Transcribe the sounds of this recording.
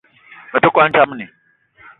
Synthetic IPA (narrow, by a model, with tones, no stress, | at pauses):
me˨to˦kʷʼa˦n˦ta˦m˦ne˨